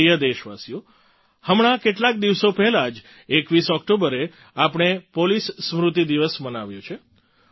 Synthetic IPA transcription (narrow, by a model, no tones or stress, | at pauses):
ijəd̪eʃʋasjũ | həmɽ̃akeʈlak̚d̪iʋsopɛɦlad͡ʒ | ekʋisɔk̚ʈobəɾe | apɳ̃epolisːmɾut̪id̪iʋəsmənaʋjũt͡ʃʰe